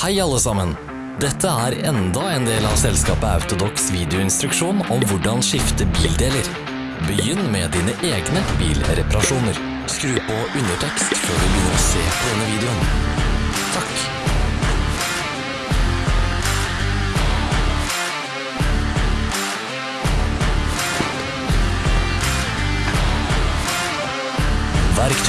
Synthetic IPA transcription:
hæɪɑlːəsɑmən | d̪ɛt̪ʰəæːɾɛnd̪ɑeːnd̪eːlɑːʋsɛlskɑːpəɑ̰ʉt̪ʊd̪ɔksʋiːd̪ɪʊɪnst̪ɾʉkʃuːnɔmʋʊɖɑnʃɪft̪əbiːld̪eːləɾ | bəjʏnːmeːd̪iːnəʔeːɡnəbḭːlɾɛpɑɾɑʂuːnəɾ | skɾʉːpɔʔʉnəʈʰɛkst̪føːɖʉbɪnəɾɔsḛːpʰɔd̪ɛnːəʋiːd̪ɛʊn | t̪ʰɑk | ʋæɾkt̪

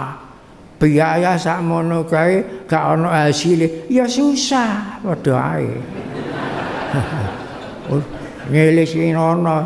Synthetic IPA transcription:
b̥iajasaʔmonukaeɡ̥aʔɔnɔɦasilejɔsusahpɔd̪̥ɔ̤a̰ḛ | u | ɲelɪsinɔnɔ

